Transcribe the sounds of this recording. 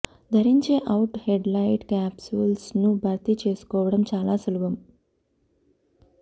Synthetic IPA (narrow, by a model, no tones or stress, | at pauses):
d̪ʱəɾiɲt͡ɕeʔauʈheɖlaiʈkæpsulsnũːbʱaɾt̪iːt͡ɕeskoʋɽəmt͡ɕalasəlʋəm